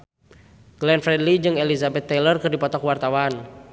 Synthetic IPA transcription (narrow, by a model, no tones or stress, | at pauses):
ɡ̥lɛnfɾɛdlid͡ʒɨŋɛlizabɛt̪ːɛlərkɨrdipɔt̪ɔkwart̪awan